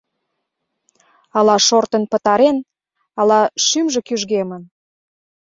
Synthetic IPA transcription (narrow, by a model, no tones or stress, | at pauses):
ɑlɑʃort̪ənpə̆t̪ɑɾen | ɑlɑʃymʒĕkyʒɣemən